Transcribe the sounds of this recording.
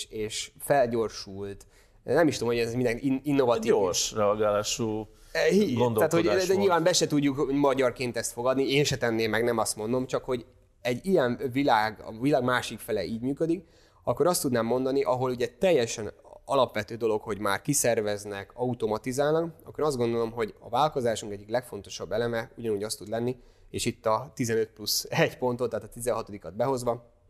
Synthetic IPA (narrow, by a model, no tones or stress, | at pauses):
eːʃfɛlɟo̞rʃult̪ | nɛmiʃt̪omhoɛzmind̪ɛniinːo̞vɒiorʃrɛɒɡaːlaːʃuː | ɦiɡond̪oaːt̪hod̪ɛɲilvaːmbɛʃɛt̪uɟːukmɒɟɒrkeːnt̪ɛst̪fo̞ɡɒd̪nieːnʃɛt̪ɛnːeːmːɛɡnɛmɒst̪mo̞nd̪o̞mt͡ʃɒkho̞ɟ | ɛɟːijɛɱvilaːɡ̰vilaːɡmaːʃikfɛlɛ̰ʔiːɟmyːkød̪ik | ɒkːo̞ɾɒst̪ud̪naːmːo̞nd̪ɒniʔɒɦo̞luɟɛt̪ɛjːɛʃɛnɒlɒpʋɛt̪øːd̪o̞lo̞kho̞ɟmaːrkisɛrvɛznɛkɒut̪o̞mɒt̪izaːlnɒkɒ̰kːoɾɒzɡo̞nd̪o̞lo̞mɦo̞ɟɒ̰vaːlko̞zaːʃuŋkɛɟːiklɛkfo̞nt̪o̞̥ʃɒbːɛlɛmɛuɟɒnuːɟɒst̪ud̪lɛnːi | eːʃit̪ːɒt̪izɛnøt̪̚plusɛɟpo̞nt̪o̞t̪ːɛaːt̪ɒt̪izɛnɦɒt̪o̞d̪ikɒd̪̚bɛɦo̞zʋɒ